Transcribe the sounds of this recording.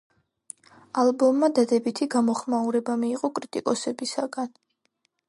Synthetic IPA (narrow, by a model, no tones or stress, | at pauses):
albɔmːad̪ad̪ɛbit̪ʰiɡamɔχmauɾɛbamiːqʼɔkʼɾit̪ʼḭkʼɔsɛbisaɡan